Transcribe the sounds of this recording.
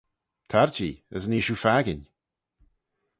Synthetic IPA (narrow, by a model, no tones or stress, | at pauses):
t̪ʰaɹd͡ʒiːə̰zniʃufaɡɪn